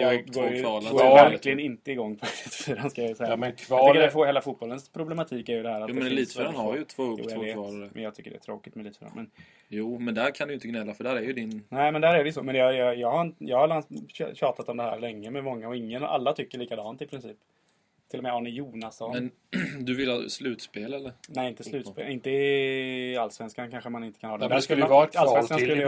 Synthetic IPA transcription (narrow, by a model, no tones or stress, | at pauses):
jɑɡoːjlavæɾkklɪɡənɪnt̪əɪɡɔŋːpʰɔlit̪fyːɾanskajasɛjːamnʰvɑkːəɖɛfoːɾheːlafut̪bɔlːənspʰɾʊblɛmat̪ʰiːkæɾjɵd̪ɛhæːɾat̪ːmɛliːt̪føɾanhaɾjət̪ʰvoːjṵːɛɑɾaɾəmɛ̰njɑːɡt̪ʰʏkːəɖɛ̰ːt̪ʰɾoːkɪt̪mɛliːt̪fœːɾa̰nmɛn | juːmɛnd̪æɾkʰand̪ɪjɪnt̪əɡnɛlːafœɖæːɾæɾjɵd̪ɪnnæɪmɛnd̪æːɾæɖɛjʏsɔːmɛnjɑjɑjɑːɡhaɾɪnjɑːɡhaɛlan̰ɕɑːt̪at̪ɔmd̪ɛhæ̰ːɾlɛŋːəmɛmɔŋːaɔɪŋːəna̰lːat̪ʰʏkːəɭiːkad̪ɑːnt̪ɪpʰɾɪnsiːp | t̪ʰɪlːɔmɛɑɳɪjuːnasɔnmɛn | d̪ɵvɪlhɑ̰slʉ̟ːt̪speːlɛlːəɾnɛɪnt̪ːəslʉ̟ːt̪spḛːlɪnt̪ə | alːsvɛnskankʰanɧəmanɪnt̪ə̥kʰanhɑːd̪ɛd̪æk̪ːalsvɛnkanskɵlːə